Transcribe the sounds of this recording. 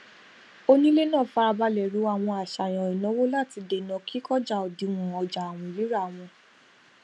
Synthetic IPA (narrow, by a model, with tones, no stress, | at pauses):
o˦nĩ˦le˦nãː˦˨fa˧a˧ba˧lɛ˨ɾu˨˦a˨w̃ɔ̃˧a˨ʃa˨j̃ã˨ĩ˨nɔ̃˨˦wo˦la˦˨ti˧de˨nɔ̃˨kʰi˦kɔ˦d͡ʒa˨ɔ˨di˨˧w̃ɔ̃˨ɔ˧d͡ʒa˨w̃ɔ̃˨li˨˦ɾa˦˨w̃ɔ̃˧